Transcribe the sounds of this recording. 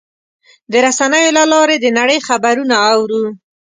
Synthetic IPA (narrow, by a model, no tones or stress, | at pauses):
d̪əɾasanəjolalɑɾed̪ənaɽəjxabaɾunaːwɾu